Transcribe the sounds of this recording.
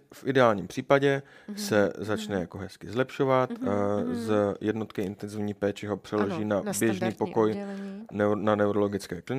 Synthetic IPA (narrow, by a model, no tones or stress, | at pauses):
fʔɪdɛaːlɲiːmpr̥iːpaɟɛ | sɛzat͡ʃnɛjako̞ɦɛskɪzlɛpʃo̞vat̪zjɛdno̞t̪kɪʔɪnt̪ɛnzɪvɲiːpɛːt͡ʃɪɦo̞pr̝̥ɛloʒiːnabjɛʒniːpo̞ko̞jnɛnanɛuɾo̞lo̞ɡɪt͡skɛːklɪn